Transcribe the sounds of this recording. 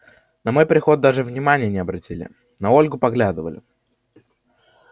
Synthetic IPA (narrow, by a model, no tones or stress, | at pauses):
nɐmo̞jpɾʲɪxo̞t̪̚d̪aʐɨvnʲɪmanʲɪjənʲɪɐbɾɐtʲilʲɪ̰ | nɐo̞lʲɡʊpɐɡlʲad̪ɨvə̰lʲɪ̰